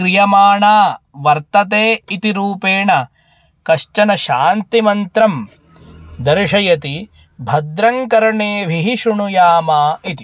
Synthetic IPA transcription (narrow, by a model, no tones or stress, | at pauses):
kɾijɐmaːɳaːʋɐɾt̪ɐt̪eːit̪iɾuːpeːɳɐ | kɐʃt͡ʃɐnɐʃaːnt̪imɐnt̪ɾɐm | d̪ɐɾʂɐjɐt̪i | bʱɐd̪ɾɐŋkɐɾɳeːʋʱiɦiʃuɳujaːmaːit̪i